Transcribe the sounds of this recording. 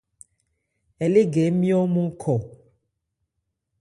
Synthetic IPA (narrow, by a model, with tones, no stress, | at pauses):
e˨le˦ɡe˨˦mĩ˦o˦mũ˦kʰɔ˨